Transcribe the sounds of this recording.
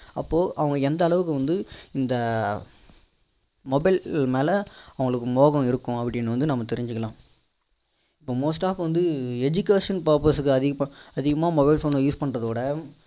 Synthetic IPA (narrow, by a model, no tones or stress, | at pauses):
ɐpːoːʔɐʋɐŋɡɐɛnd̪ɐːɭɐʋɯk̬ːɯʋɐnd̪ɯɪnd̪ɐ | mɔbɐɪlmeːlɐɐʋɐŋɡɐɭɯkːɯmoːɣɐ̃ɪɾɯkːʊ̃ɐpːɐɽɪnːɐʋɐnd̪ɯnɐmːɐt̪ɛɾɪɲd͡ʒɯkːɐlãː | ɪpːoːmoːsʈaːfʋɐnd̪ɯɛd͡ʒʊkeːʂɐnpɐɾpɐsɯkːɯɐðɪɐðɪɣɐmaːmɔbɐɪlfoːnjuːspɐɳrɐðoːɽɐ